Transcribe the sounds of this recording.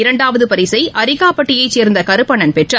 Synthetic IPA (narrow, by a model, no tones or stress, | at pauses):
ɪɾɐɳɖaːʋɐðɯpɐɾɪsɐɪʔɐɾɪɣaːpɐʈːɪjɐɪt͡ʃːeːɾnd̪ɐkɐɾɯpːɐɳɐnpɛʈrɐ